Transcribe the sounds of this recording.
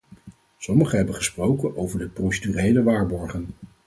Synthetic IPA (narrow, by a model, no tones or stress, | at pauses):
sɔməχəɦɛbənχəsprowkənowvəɹdəprowsedyːrejləʋaːɹbɔɹχən